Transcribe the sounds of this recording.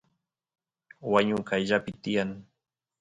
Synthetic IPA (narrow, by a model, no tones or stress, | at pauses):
waɲʊkajʎapɪt̪ɪjaŋ